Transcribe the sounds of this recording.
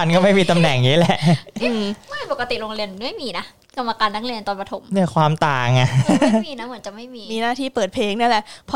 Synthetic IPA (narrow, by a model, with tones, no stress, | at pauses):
a˧nkɔ˥˩ma˥˩jmiː˧t̪a˧mnɛ˨˩ŋniː˦˥lɛ˨˩ʔʔɯː˧˩m˥˩˨po˨˩ka˧t̪i˨˩ɾoː˧ŋle˧ənma˥˩jmiː˧na˦˥ | ka˧mːa˧kaː˧nːaː˦˩ŋle˧n˨˧nt̪ɔː˧npa˧t̪ʰo˩˦mni˥˩əkʰwaː˧mt̪aː˨˩ŋa˧˩miː˧na˦˥mɯ˩˦nt͡ɕa˨˩ʔma˥˩jmiː˧miː˧naː˥˩iː˥˩pɤː˨˩t̪̚pʰeː˧ŋnaː˥˩lɛ˨˩ʔpʰɔ˦